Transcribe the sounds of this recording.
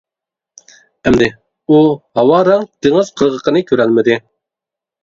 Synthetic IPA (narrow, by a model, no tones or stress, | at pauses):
ɛmd̪ɪ | uhɑwɑɾɑŋt̪ʰeŋɨz̥qʰəɾʁəqənɨkʲʰøɾælmɪd̪ɪ